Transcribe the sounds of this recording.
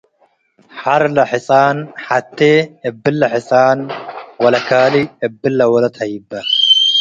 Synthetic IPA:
ħaɾlɐħɪsʼaːnħat̪ːeːɪbːɪlːɐħɪsʼaːnwɐlɐkaːliɪbːɪlːɐwɐlɐt̪hɐjɪbːɐ

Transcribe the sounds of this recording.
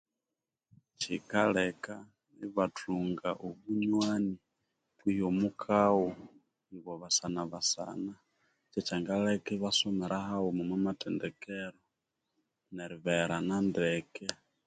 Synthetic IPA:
t͡ʃikalɛka | niβatʰuŋɡaʔoβuɲwani | twijomukʰawo | ŋβwoβasanaβasa̰na | t͡ʃɛt͡ʃaŋɡalekɛβasomɛɾʔahawomumwɛmatɛndɛkeɾo | neɾiβeɾanandekɛ

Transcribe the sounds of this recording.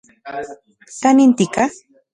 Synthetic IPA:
t̪anɪnt̪ɪka

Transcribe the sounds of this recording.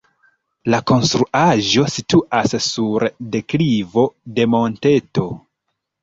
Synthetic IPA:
lako̞nstɾuʔaʒo̞situʔasːuɾde̞klivo̞de̞mo̞nte̞to̞

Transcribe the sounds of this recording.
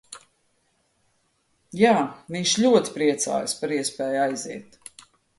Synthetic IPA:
jaːviɲʃʎʲuɔt̪i̥pɾiɛt̪sa̰ːjspaɾiɛspɛːjajziɛt̪

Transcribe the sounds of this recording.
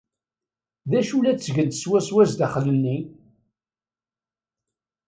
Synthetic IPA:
ðæʃulæt͡sːəʝənt̪ə̥swæswæzd̪æχlənːi

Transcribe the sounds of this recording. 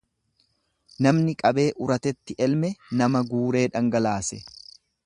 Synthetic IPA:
nɐmnɪkʼɐbe̞ːʔʊɾɐt̪ɛt̪ːɪʔɛlmɛnɐmɐɡuːɾe̞ːᶑɐŋɡɐlaːsɛ

